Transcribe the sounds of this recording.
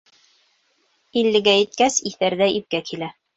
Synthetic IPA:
ilːɘ̆ɡæjɘ̆t̪̚kæsiθæɾðæip̚kækilæ

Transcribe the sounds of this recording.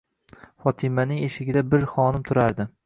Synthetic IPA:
fɒt̪ʰɪmanɪŋeʃɪɡʲɪd̪abɪɾχɒnɪmt̪ʰʊɾaɾd̪ɪ

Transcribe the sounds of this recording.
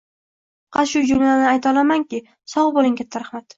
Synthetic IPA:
qʰɑt̪ʃʊd͡ʒʊmlanɪajt̪ɒlˠamaŋkʲɪ | sɒwbolˠɪŋkʲʰat̪ʰːaɾaχmat̪

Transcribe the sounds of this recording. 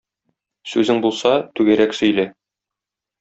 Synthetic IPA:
sʉzɘŋbulˠsɑt̪ʉɡæɾæksɵ̆jlæ

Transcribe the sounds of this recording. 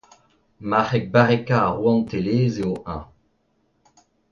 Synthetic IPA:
maχɛk̚baʁekaʁwɑ̃nt̪eleːzeoʔã̰

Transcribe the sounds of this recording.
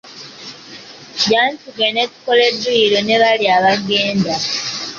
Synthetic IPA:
ɟaːntuɡenetu̥koleduiɾoneβaliaβaɡeːnda

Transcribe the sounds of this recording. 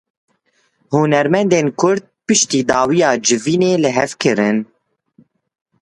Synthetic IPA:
hunɛɾmɛnd̪eːnkʰʊɾd̪̚pɨʃt̪iːd̪ɑːwijɑːd͡ʒɨviːneːlɨɦɛvkʰɨɾɨn

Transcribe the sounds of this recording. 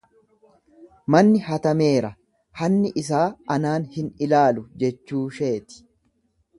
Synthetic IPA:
mɐnːɪɦɐt̪ɐme̞ːɾɐ | hɐnːɪʔɪs̬aːɐnaːnhɪnɪlaːlʊd͡ʒɛt͡ʃːuːʃe̞ːt̪ɪ̥

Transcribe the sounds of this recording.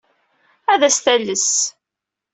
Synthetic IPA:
æðæsθæləs

